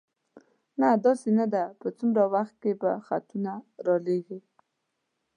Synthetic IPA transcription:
nad̪ɑsenad̪apət͡sumɾawaxt̪̚keba̰xat̪unaɾɑleɡi

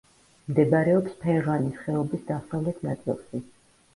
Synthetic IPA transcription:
md̪ɛbaɾɛɔpspʰɛʁanisχɛɔbisd̪asavlɛt̪ʰnat̪sʼɛ̰lˠʃi

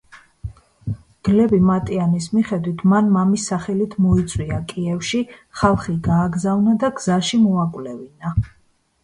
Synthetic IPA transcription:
ɡ̥lɛbimat̪ʼianismiχɛd̪wit̪ʰmanmamisːaχɛlit̪ʰmɔit̪sʼwiakʼiɛfʃiχalˠχiɡaːɡzavnad̪aɡz̥aʃimɔakʼvlɛvina

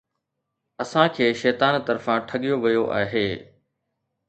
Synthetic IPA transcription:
ɐsãkʰeːʃɛːt̪aːnt̪ɐɾfãʈʰɐɠijoʋɐjoʔaːɦeː

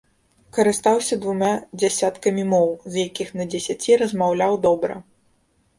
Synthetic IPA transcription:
kɐɾɨst̪awsʲɐd̪vumʲad͡zʲasʲat̪kɐmʲimɔwzjakʲixnɐd͡zʲɛsʲat͡sʲiɾɐzmawlʲawd̪ɔbɾɐ̰

